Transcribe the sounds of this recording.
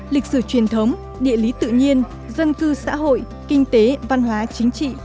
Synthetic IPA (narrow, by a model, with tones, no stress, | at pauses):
lï˨˩k̟̚sɨː˧˩t͡ɕwi˨˩ənt̪ʰə˨˦wŋ͡m | ɗḭ˧˨əli˨˦t̪ɨ̰˧˨ɲi˧ən | zə˧nkɨ˧sa̰ː˧˥ɦo̰˧˨j | kï˧ŋ̟t̪e˨˦va˧nɦwaː˨˦t͡ɕï˨˦ŋ̟t͡ɕḭ˧˨